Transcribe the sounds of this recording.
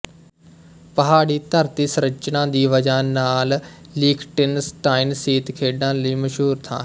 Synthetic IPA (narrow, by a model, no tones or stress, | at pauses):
pəɦaːɽiːt̪əɾt̪iːsɾət͡ʃnãːd̪iːʋəd͡ʒaːnaːl | liːkʰʈɪnsʈaːɪnsiːt̪kʰeːɖãːləiːməʃɦuːɾt̪ʰã̰ː